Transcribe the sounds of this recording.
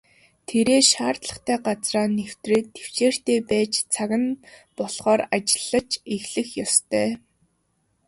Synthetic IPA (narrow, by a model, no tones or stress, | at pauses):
t̪ʰeɾeːʃaːrt̪ɮə̆χt̪ʰæːɢat͡sraːnew̥t̪rĕt̪ʰːew̥t͡ɕeːr̥t̪eːpæːt͡ɕt͡sʰaɣʲɪ̆npɔɮχɔːrat͡ɕɪ̥̆ɮːə̆t͡ɕeɣɮɘ̆xjɔst̪ʰœː